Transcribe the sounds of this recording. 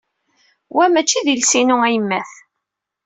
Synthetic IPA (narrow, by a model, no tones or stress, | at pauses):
wæmæt͡ʃːiðilsinʊæjəmːæθ